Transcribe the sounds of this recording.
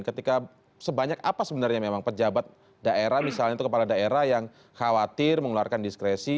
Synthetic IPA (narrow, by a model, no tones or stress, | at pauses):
nkət̪ika | səbaɲakapasəbənarɲamemaŋpəd͡ʒabat̪̚ | daʔeɾahmisalɲait̪ukəpaladaeɾahjaŋ | xawat̪ɪrməŋluarkandiskɾesi